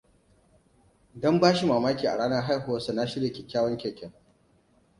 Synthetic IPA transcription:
dɔ˦mbaː˦ʃi˨maː˨maː˦kʲiː˨ʔa̰˨ɽaː˦na˦ɦa˦jɦo˨wɐ˦su˨na˦ʃɪ˦ɽe˨kʲe˨kʲaː˦wɔ˦ŋkʲɛ˨kʲɛ˨ŋ

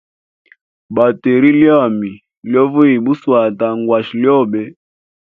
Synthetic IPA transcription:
ba˨te˨ɾi˦lja˦˨mi˨ | ljɔ˦vu˦i˨bu˦swa˨ta˨ŋɡwa˨ʃi˨ljɔ˦˨bɛ˦

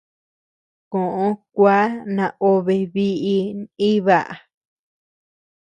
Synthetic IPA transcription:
kõ˨ʔõ˧˦kʷa˦nã˧o˧βe˧βi˦ʔi˧ĩ˦βa˦˨ʔa˨

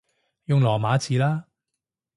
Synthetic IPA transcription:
jʊ˨˧ŋlɔː˨˩maː˨˥t͡sʰiː˨˥laː˥

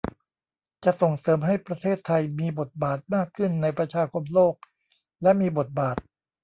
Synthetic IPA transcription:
t͡ɕa˨˩ʔso˨˩ŋsɤː˩˦mɦa˥˩jpɾa˧t̪ʰeː˥˩t̪ʰːa˧jmiː˧bo˨˩t̪̚baː˨˩t̪̚maː˥˩kʰːɯ˥˩nːa˧jpɾa˧t͡ɕʰaː˧kʰo˧mloː˥˩k̚ | lɛ˦˥miː˧bo˨˩t̪̚baː˨˩t̪̚

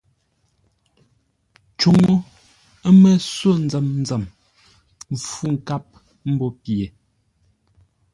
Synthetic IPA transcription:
t͡ʃu˨ŋo˦ | mɛ˦swo˦n̩˨˦d͡zɛ˨mn̩˦d͡zɛ˨m˨ | fu˦ŋ̩˨ka˦p̚ | m̩˦bɔ˦pje˨

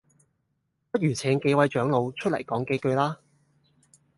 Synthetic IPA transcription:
pɐ˥jyː˨˩t͡sʰɛː˨˥ŋke˨˥jwɐ˨˥jt͡ʃœː˨˥ŋlo˨˧wt͡ʃʰt̚lɐ̰˨˩jkɔː˨˥ŋkeː˧kɵ˧ɥlaː˥

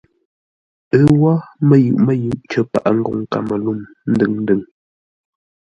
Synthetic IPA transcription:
ə˦wa˦mə˦˨jʉ̰˨ʔmə˦jʉ˨ʔt͡ʃə˦pa̰˨ʔa˨ŋ̩˦ɡo˨ŋ˨ka̰˨mə˨lu˦˨m | n̩˦dɨ˦˨ŋn˦dɨ˨ŋ

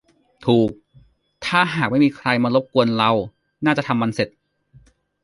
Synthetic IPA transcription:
t̪ʰuː˨˩k̚ | t̪ʰaː˥˩ɦaː˨˩k̚ma˥˩jmiː˧kʰɾa˧jmaː˧lo˦˥p̚ku˧ənɾa˧w | naː˥˩t͡ɕa˨˩t̪ʰa˧mːa˧nse˨˩t̪̚

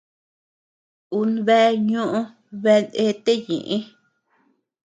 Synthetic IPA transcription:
u˧nβe˦ɲõ˦ʔõ˧ | βe˧ne˧˦t̪e˦ɲḭ̃˨ʔĩ˦

